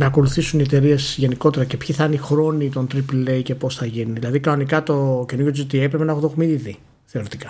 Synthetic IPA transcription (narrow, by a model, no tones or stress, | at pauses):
nɐːko̞luθisunie̞t̪e̞ɾie̞sʝe̞niko̞t̪e̞ɾɐcepçiθɐnixɾo̞nit̪o̞nt̪ɾipleice̞posθɐʝiniðilɐðikɐnonikɐt̪o̞cenuɾjot̪d͡ʒit̪iepɾepe̞nɐexoðo̞ɣmiði | θe̞o̞ɾit̪ikɐ